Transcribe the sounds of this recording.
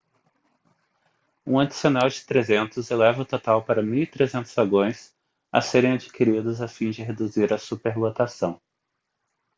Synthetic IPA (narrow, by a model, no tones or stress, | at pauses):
ũad͡ʒisionawd͡ʒɪ̥t̪ɾezẽnt̪ʊzelɛvɐʊt̪ot̪awpaɾɐmiwit̪ɾezẽnt̪ʊzvaɡõj̃s | ɐ̰seɾẽj̃ad͡ʒikʰiɾid̪ʊzafĩd͡ʒɪɦed̪uziɾɐsupeɾlot̪asɐ̃w̃